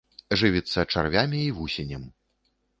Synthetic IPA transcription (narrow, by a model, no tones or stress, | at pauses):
ʐɨvʲit̪sːɐt͡ʂa̰rvʲamʲiːvusʲenʲɛm